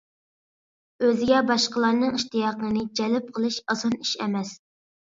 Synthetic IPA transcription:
øzɪɡʲɛbɑʃqəlˠɑɾnɨŋiʃt̪ijɑqnənɨd͡ʒɛlɪp̚qʰəlˠɨʃɑzɑniʃɛ̰mɛs

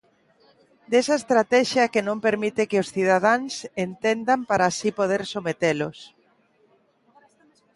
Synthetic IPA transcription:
d̪esaest̪ɾat̪ɛʃjɐkenõmpeɾmit̪ɪkɪosθiðaðaŋsent̪end̪ampaɾaːsipoð̞eɾsomet̪elʊs

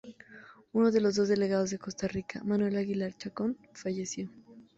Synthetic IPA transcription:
uno̞ðe̞lo̞zðo̞zðe̞le̞ɣað̞o̞zðe̞ko̞st̪arikʰa̰manwe̞laɣilaɾt͡ʃakonfaʝe̞sjo̞

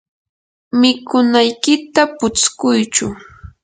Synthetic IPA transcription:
mɪkʊnajkɪt̪apʊt͡skʊjt͡ʃʊ̰

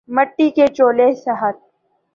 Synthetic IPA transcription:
məʈːiket͡ʃoːlesɐɦət̪̚

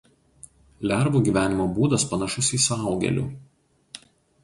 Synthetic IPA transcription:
lʲæˑɾbuːɡʲiːˑʋʲæːnʲɪmoːbuːd̪ɐspɐnɐʃʊsiːsɑˑʊɡʲɛ̰lʲṵːˑ

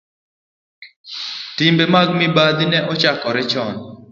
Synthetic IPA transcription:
timbemaɡmɪbad̪inɛʔɔt͡ʃakɔɾɛt͡ʃɔn

